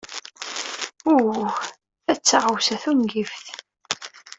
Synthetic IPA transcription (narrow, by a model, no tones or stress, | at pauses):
u | θæt͡sːaʁəwsæθumɡifθ